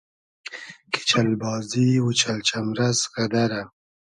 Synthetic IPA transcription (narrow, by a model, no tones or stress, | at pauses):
kʰi̥t͡ʃalbɑːziwʊt͡ʃalt͡ʃamɾazɣad̪aɾa